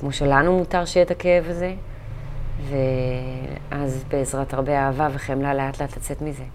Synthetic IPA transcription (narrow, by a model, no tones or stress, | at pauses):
kmoʃelanumutaʁʃejet̪akevaze̞ | ve | ʔazbeːzʁataʁbeaːvaveχemlaleatlat̪lat͡se̞t̪mize